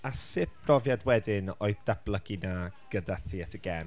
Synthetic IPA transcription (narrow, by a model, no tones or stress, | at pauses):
asɪp̚b̥rɔvjadwɛdɪnoɨðd̥ablˠəɡinaɡ̥ədaθiatʰəɡɛ